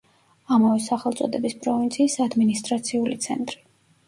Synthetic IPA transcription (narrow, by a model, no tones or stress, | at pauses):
amavɛsaχɛlˠt̪sʼɔ̰d̪ɛbispʼɾɔvint̪sʰiːsad̪minist̪ʼɾat̪sʰiulit̪sʰɛ̰nt̪ʼɾi